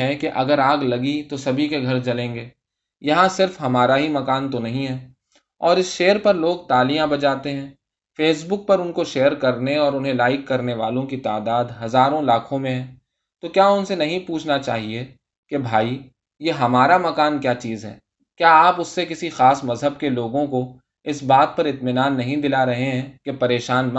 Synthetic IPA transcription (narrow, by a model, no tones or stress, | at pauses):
ɦɛ̃keʔɐɡəɾaːɡlɐɡit̪osɐbʱikeɡʱɐɾt͡ʃɐlẽːŋɡeː | jɐɦãsɪɾfɦɐmaːɾaɦimɐkaːnt̪onɐɦĩɦɛː | ɔːɾɪsʃeːəɾpɐɾloːɡ̚t̪aːliːãbɐt͡ʃaːt̪eɦɛ̃ː | feːs̬bʊk̚pɐɾʊnkoʃeːəɾkɐɾneɔːɾʊnɦẽlaːɪkːɐɾneʋa̰ːlõkit̪aːd̪aːd̪ɦɐzaːɾõlaːkʰõmẽɦɛ̃ː | t̪okjaːʊnsenɐɦĩpuːt͡ʃʰnat͡ʃa̰ːɦie | kebʱaːi | jeɦɐmaːɾamɐkaːnkjaːt͡ʃiːzɦɛ̰ː | kjaːaːpʊsːekɪsixaːsmɐzɦəb̚keloːɡõko | ɪsbaːt̪̚pɐɾɪt̪mɪnaːnːɐɦĩd̪ɪlaɾɐɦeɦɛ̃ːkepɐɾeːʃaːnm